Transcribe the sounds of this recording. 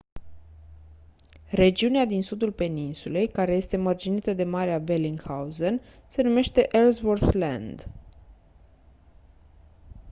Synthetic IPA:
re̞d͡ʒiunead̪insud̪ulpe̞ninsule̞jkaɾe̞je̞st̪e̞mərd͡ʒinit̪əd̪e̞maɾeabeliŋɡhawzənse̞nume̞ʃt̪e̞ʔelzvorθla̰nd̪

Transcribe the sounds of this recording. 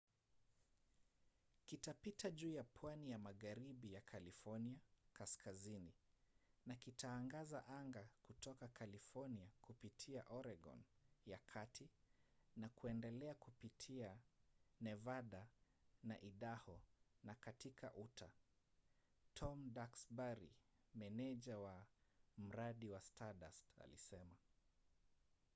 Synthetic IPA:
kitapitʰaʄuːjapʰwanijamaɣaɾiɓijakʰalifɔniakaskʰazini | nakitʰaːŋɡazaʔaŋɡakutʰɔkakalifɔniakupitʰiaʔɔɾɛɡɔ̰njakʰatʰinakuɛndɛlɛakupitʰianɛvaɗa | naʔiɗahɔnakatikʰa̰ʔutʰa | tʰɔmdaksbaɾi | mɛnɛʄawam̩ɾaɗiwastʰaɗa̰sta̰lisɛma

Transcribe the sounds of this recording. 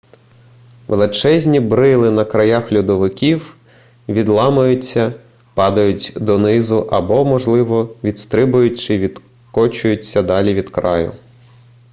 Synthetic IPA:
ʋelˠɪt͡ʃɛzʲnʲibɾɪlˠɪnɐkɾɐjaxlʲʊd̪ɔʋɪkʲiw | ʋʲid̪lˠɑmɐjʊt͡sʲːɐ | pɑd̪ɐjʊtʲd̪ɔnɪzʊʔɐbɔmɔʒlˠɪʋɔʋʲid̪st̪ɾɪbʊjʊtʲt͡ʃɪʋʲid̪ | kɔt͡ʃʊjʊt͡sʲːɐd̪ɑlʲiʋʲid̪kɾɑ̰jʊ̰

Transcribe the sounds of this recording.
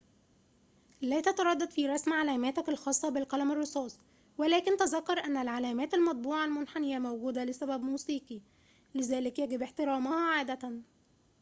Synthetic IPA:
læːt̪æt̪ɑɾˤɑd̪ːɑd̪fiːɾˤɑsmʕalæːmæːt̪ækɪlxɑːsˤːɑbɪlqælæmɑrˤːɨsˤɑːsˤ | wælæːkɪnt̪æzɑkːɑɾˤʔænːælʕalæːmæːt̪ælmɑt̪̚ˤbuːʕalmʊnħanɪjːæmowɡuːd̪ælɪsæbæbmuːsiːqi | lɪzæːlɪkjæɡɪbɪħt̪ɪɾˤɑːmɑhɑʕaːd̪ææn

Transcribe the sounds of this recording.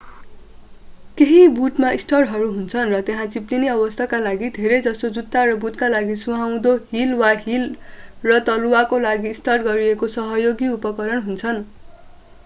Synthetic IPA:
keɦibuʈmaisʈʌrʈɦʌɾuɦunt͡sʰʌnrʌt̪jeɦãt͡sipliniʌbʌst̪ʰakalaɡid̪ʱeɾejd͡zʌsod͡zut̪ːaɾʌbuʈ̪kalaɡisuɦaw̃d̪oɦilwaɦilrʌt̪ʌluakolaɡiːsʈarʈɡʌɾiekosʌɦʌjoɡiupʌkʌɾʌnɦunt͡sʰʌn

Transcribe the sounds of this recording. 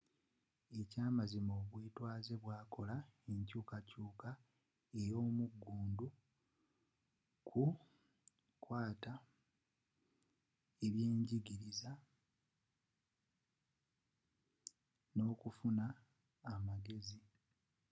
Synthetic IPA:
e̞caːmazimoːβweːtwaːze̞βwaːko̞laeɲcuːkacuːka | ejo̞ːmuɡːuːndu | kʰu | kwaːta | eβje̞ːɲɟiɡiɾiza | no̞ːkufunaː | maɡe̞zi

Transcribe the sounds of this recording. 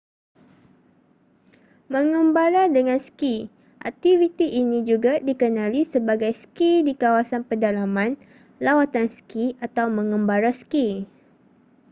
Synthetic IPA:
mə̃ŋə̃mbaɾadəŋãnski | ʔa̰k̚t̪ivit̪iʔːnĩd͡ʒuɡadikənãlisəbaɡajskidikawasanpədalamãn | lawat̪anskiat̪awmə̃ŋə̃mbaɾaski

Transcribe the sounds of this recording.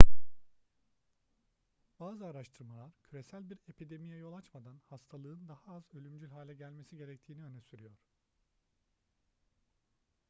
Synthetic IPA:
b̥aːzɯaɾaʃt̪ʰɯɾmalˠaɾcʰyɾe̞sælʲbiɾe̞pʰid̪e̞mijɛjo̞lˠat͡ʃmad̪anhast̪ʰalˠɯːɯnd̪ahaazølʲymd͡ʒylʲɦaːlʲɛɟælʲme̞siɟe̞ɾɛct̪ʰiːniø̞nɛsyɾyjoɾ̥

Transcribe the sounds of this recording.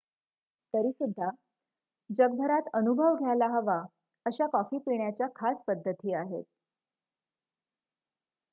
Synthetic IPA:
t̪əɾiːsud̪ʱːa | d͡ʑəɡ̚bʱəɾat̪ənubʱəʋɡʱjalaɦəʋa | əɕakɔfiːpiɳjat͡ɕjakʰaspəd̪ʱːət̪iːaɦḛt̪̚

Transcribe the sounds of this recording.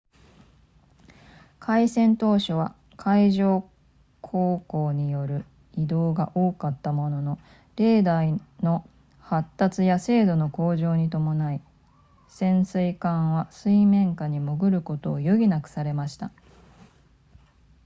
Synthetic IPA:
kʰaisẽ̞nt̪o̞ːɕoβ̞a̰ | kʰaiʑo̞ː | kʰo̞ːko̞ːɲ̟ijo̞ɾɯ̟ | id̪o̞ːɡaʔo̞ːkat̪ːamo̞no̞no̞ | ɾe̞ːd̪aino̞ | hat̪ːat͡sɨjase̞ːd̪o̞no̞ko̞ːʑo̞ːɲ̟it̪o̞mo̞nai | sẽ̞ɰ̃sɨikãɰ̃βasɨimẽ̞ŋkaɲ̟imo̞ɡɯ̟ɾɯ̟ko̞t̪o̞ːjoɡʲinakɯ̟̥saɾe̞maɕi̥t̪a

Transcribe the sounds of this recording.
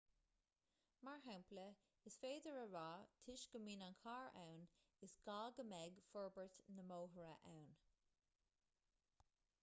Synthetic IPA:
maɹɦawmplə | ɪsfeːdəɹəɹaɑːt̪ʰɪʃɡ̥əmiːnankʰaːɹa̰wn | ɪsɡ̥ɑːɡəmɛɡfɔɹbəɹt̪nəmoːɦəɹəʔawn

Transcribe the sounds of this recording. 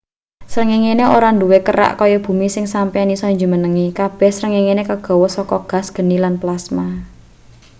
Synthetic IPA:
sɾəŋiŋeneʔoɾanduwekəɾa̰ʔkɔjɔb̥ṳmisɪŋsampanisɔiɲd͡ʒumənəŋikab̥ɛ̤hsɾəŋiŋenekəɡ̥ɔ̤wɔsɔkɔɡ̥a̤sɡ̥ə̤nilanplasma

